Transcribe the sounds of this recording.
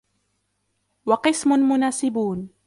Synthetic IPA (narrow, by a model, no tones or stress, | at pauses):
wɑqɨsmʊnmʊnaːsɪbuːn